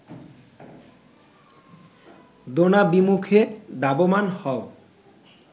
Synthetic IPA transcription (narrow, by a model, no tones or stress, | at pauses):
d̪onabimukʰed̪abomanhɔo